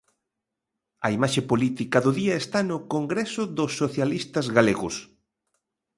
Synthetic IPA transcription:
ɐ̰imaʃepolit̪ikɐðʊðiɐest̪anʊkoŋɡɾesʊðʊsːoθjalist̪ɐzɣaleɣʊs

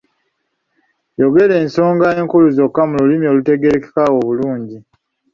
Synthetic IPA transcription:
jo̞ɡe̞le̞ːnso̞ːŋɡaeːŋkuluzo̞kːamululimio̞ːlute̞ɡe̞ɾeke̥kawo̞βuluːɲɟi

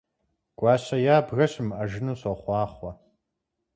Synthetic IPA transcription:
ɡ̥ʷʼɑːɕɐjaːbɣɐɕɪmɐʒɪnuːɕɔχʷɑːχʷɔ

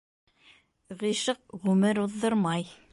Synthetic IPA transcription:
ʁiʃɤq̚ʁʉmɘɾuðːoɾmɑj

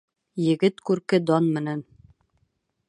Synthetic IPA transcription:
jɘ̆ɡɘt̪kʉɾkɘd̪ɒnmɘ̆næn

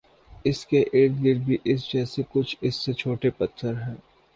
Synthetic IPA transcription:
ɪskeʔeːɾd̪ɡɪɾɖ̪̚bʱiʔɪs̬d͡ʒɛːsekʊt͡ʃʰɪsːet͡ʃʰoːʈepɐt̪ʰːəɾɦɛ̃ː

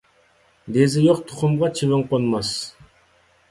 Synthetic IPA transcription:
d̪ezɪjoqt̪ʰʊ̥χʊmʁɑt͡ʃʰivɪɴqonmɑs

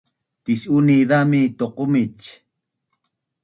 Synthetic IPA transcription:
t̪isuniðamit̪oqomit͡ʃ

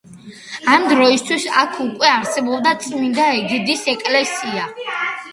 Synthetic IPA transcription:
amd̪ɾɔist̪ʰwisakʰukʼwɛaɾsɛbɔbd̪at̪sʼmind̪aɛɡɛd̪isɛkʼlɛsia

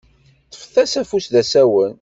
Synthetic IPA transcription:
θə̥fθæsæfusðæsæwən

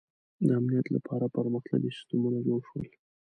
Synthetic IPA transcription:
d̪əamnijat̪la̰pʰɑɾapəɾməxt̪a̰ɡist̪umunajowʃwə̰l

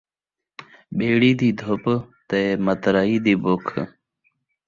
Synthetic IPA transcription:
ɓeːɽiːd̪iːd̪ʱopt̪eːmət̪ɾaiːd̪iːboːkʰ

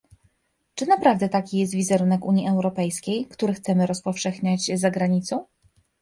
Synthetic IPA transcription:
t͡ʂɘnapɾavd̪ɛt̪akʲijɛs̬t̪vʲizɛɾunɛkuɲjiɛwɾɔpɛjskʲejkt̪uɾɘxt̪sɛmɘɾɔspɔfʂɛxɲat͡ɕzaɡɾaɲit̪sɔ̃w̃

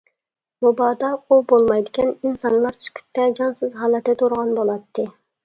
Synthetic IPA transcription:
mobɑːd̪ɑubolˠmɑjd̪ɪkʲɛninsɑnlˠɑɾt͡ʃʰy̥kʲʰy̥p̚t̪ʰɛd͡ʒɑnsɨzɦɑːlˠɛt̪ːɛt̪ʰoɾʁɑnbolˠɑt̪ʰːɨ

